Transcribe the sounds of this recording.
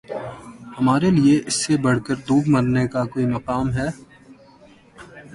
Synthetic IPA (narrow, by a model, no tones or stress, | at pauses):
hɐmaːɾelieʔɪsːebɐɽ̤kəɾd̪uːɡmɐɾnekakoːimɐqaːmɦɛː